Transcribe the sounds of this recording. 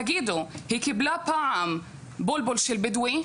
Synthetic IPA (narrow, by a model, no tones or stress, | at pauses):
ɡiːd̪ʊhiːkɪblapaʕam | bʊlbʊlʃɪlbɪd̪wi